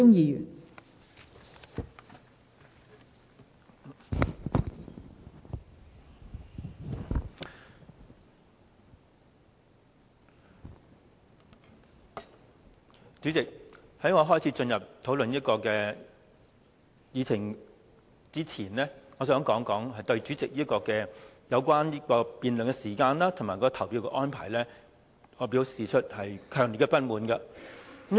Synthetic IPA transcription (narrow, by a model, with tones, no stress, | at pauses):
ʊ˥ŋjiː˨˧jy̰ː˨˩n | t͡syː˨˥t͡sɪ˨k̚hɐ˨˥jŋɔː˨˧ɦɔː˥˩jt͡sʰi˨˥t͡ʃɵ˧njɐ˨p̚t̪ʰo˨˥wlɵ˨njiː˥tkɔː˧kɛː˧ | jiː˨˧t͡sʰɪ˨˩ŋ | t͡siː˥t͡sʰiː˨˩nlɛ˥ŋɔː˨˧sœː˨˥ŋkɔː˨˥ŋkɔː˨˥ŋhɐ˨jt̪ɵ˧ɥt͡ʃyː˨˥t͡sɪ˨k̚jiː˥kɔː˧kɛː˧jɐ˨˧wkʷwaː˥niː˥kɔː˧piː˨nlœ˨ŋkɛ˧siː˨˩kaː˧nlaː˥t̪ʰʊ˨˩ŋmaː˨˩jkɔː˨˧˥ɔ˧t̪ʰɐ˨˩wpiː˧wkɛ˧ʔɔː˥npʰa̰ː˨˩jlɛː˥ | ŋɔː˨˧pi˨˥wsiː˨t͡ʃʰɵ˥t̚hɐ˨jkʰœː˨˩ŋliː˨t̚kɛ˧pɐ˥t̚muː˨˧nkɐ˧˥m